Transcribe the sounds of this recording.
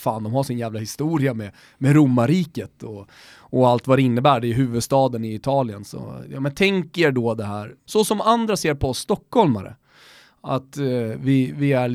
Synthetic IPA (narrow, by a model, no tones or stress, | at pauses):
faːnd̪ɔmhaʂɪnjæːvlahɪst̪uːɾɪamɛ | mɛɾʊmːaɾiːkət̪ɔ | ɔalt̪vad̪ɛɪnːəbæːɖɛʉɦʉ̟ːvɵd̪st̪ɑːd̪ənɪɪt̪ʰɑːlɪənsɔ̰jɑ̰ːmɛnt̪ʰɛŋkəɛɖɔd̪ɛɦæːɾsɔsɔmand̪ɾaseːɾpʰɔɔsːt̪ɔkːhɔlma̰ɾə̰ | a̰t̪vɪvɪæ